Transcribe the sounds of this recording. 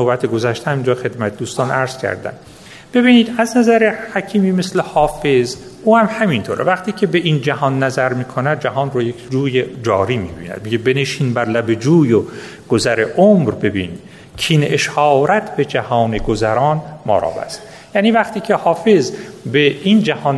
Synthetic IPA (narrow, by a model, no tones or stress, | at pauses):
nobæt̪ʰeɡozæʃt̪ehæmiːnd͡ʒɒːxe̞d̪mæt̪ʰed̪uːst̪ɒːnʔæɾz̥cʲʰæ̰ɾd̪æ̰m | b̥e̞biːniːd̪æznæzæɾehæcʰiːmiːmeslehɒːfez | uːhæmhæmint̪ʰoːɾḛvæχt̪ʰiːcʰebeʔind͡ʒæhɒːnːæzæɾmiːkʰonæd̪̚d͡ʒæɦɒːnrojekʰd͡ʒuːjed͡ʒɒːɾiːmḭːbḭːnæ̰d̪̥̚miɟebeneʃiːnbæɾlæbed͡ʒuːjoɡ̥ozæɾeʔomɾbe̞bḭːnid̪ | cʰiːneʃhɒːɾæt̪ʰbe̞d͡ʒæhɒːneɡozæɾɒːnmɒ̰ːɾɒ̰ːbæ̰st̪ | jæːniːvæχt̪ʰiːcʰe̞hɒːfe̞zbeind͡ʒæhɒːn